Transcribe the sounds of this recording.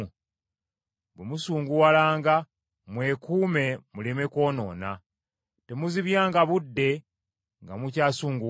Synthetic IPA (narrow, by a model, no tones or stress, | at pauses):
bwemusuːŋɡuwalaːŋɡa | mwe̞kuːme̞mulime̞ko̞ːno̞̰ːna | te̞muziβjaːŋɡaβudːe̞ | ŋɡamucaːsuːŋɡu